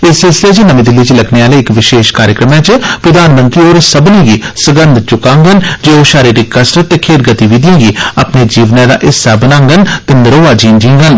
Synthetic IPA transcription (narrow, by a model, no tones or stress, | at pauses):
ɪsfɛːlsɪleːt͡ʃənəmẽːd̪ɪlːiːt͡ʃiləkʰneːaːleːɪkʋɪʃeːʃkaːɾjəkɾəmãːt͡ʃpɾəd̪aːnmə̃nt̪ɾiːoːɾsəbnĩːɡiːsəɡənd̪t͡ʃʊkãːŋɡənd͡ʒeːoːʃaːɾiːɾikːəsɾət̪ːekʰeːɾɡət̪iʋiːd̪jãːɡiːa̰pneːd͡ʒiːʋnãːd̪a̰ːʔɪsaːbənãːŋɡənt̪eːnəɾoːaːd͡ʒiːnd͡ʒĩːŋɡən